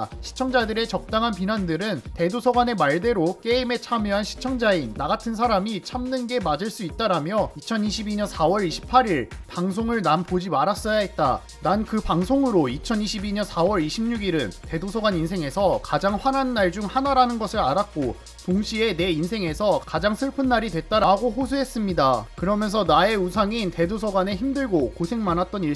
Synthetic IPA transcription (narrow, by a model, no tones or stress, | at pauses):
ɕʰi̥t͡ɕʰʌŋd͡ʑadɯɾe̞t͡ɕʌk̚t͈aŋɦanpinandɯɾɯnte̞dosʰʌɡwanemaɭde̞ɾok͈e̞ime̞t͡ɕʰamjoɦanɕʰi̥t͡ɕʰʌŋd͡ʑainːaɡatʰɯns̬ʰaɾamit͡ɕʰamnɯnɡe̞mad͡ʑɯɭs͈uit̚t͈aɾamjʌit͡ɕʰʌniɕʰibiɲʌnsʰawʌɾiɕʰi̥pʰaɾiɭpaŋsʰoŋɯɭnampod͡ʑimaɾas͈ʌjaɦet̚t͈a | nankɯpaŋsʰoŋɯɾoit͡ɕʰʌniɕʰibiɲʌnsʰawʌɾiɕʰimɲuɡiɾɯnte̞dosʰʌɡwaninsʰe̞ŋe̞sʰʌkad͡ʑaŋɸwananːaɭd͡ʑuŋhanaɾanɯnɡʌsʰɯɾaɾak̚k͈o | toŋɕʰie̞ne̞insʰe̞ŋe̞sʰʌkad͡ʑaŋsʰɯɭpʰɯnːaɾidwe̞t̚t͈aɾaɡoɸosʰuɦe̞s͈ɯmɲidakɯɾʌmjʌnsʰʌnae̞usʰaŋinte̞dosʰʌɡwane̞çimdɯɭɡokosʰe̞ŋmanɦat̚t͈ʌniɭ